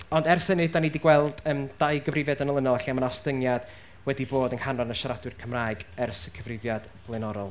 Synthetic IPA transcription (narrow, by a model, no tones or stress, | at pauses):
ɔndɛrsənɨðdanidiɡwɛlˠd̥əːmd̥aɨɡəvrɪvjadənəlˠənɔlˠaɬiamanɔstəŋjad̥ | wɛdiboːdənhanɔnəʃaɾadwɨrkʰəmraɨɡɛrsəkʰəvrɪvjad̥ | b̥lˠɛnɔɾɔlˠ